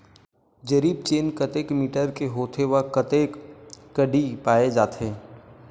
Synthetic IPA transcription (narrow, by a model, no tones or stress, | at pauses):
d͡ʒɐɾiːb̚t͡ʃeːnkɐt̪eːkmiːʈəɾkeɦoːt̪ʰeʋakɐt̪eːkː | ɐɖipaːed͡ʒaːt̪ʰeː